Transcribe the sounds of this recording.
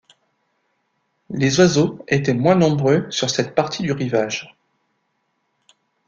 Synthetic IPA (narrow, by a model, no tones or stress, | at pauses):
lezwazoet̪ɛmwɛ̃nɔ̃bʁøsyʁsɛt̪̚paʁt̪ʰid̪yʁivaʒ